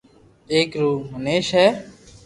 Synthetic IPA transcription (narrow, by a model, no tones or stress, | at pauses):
eːkɾuːməneːʃɦɛː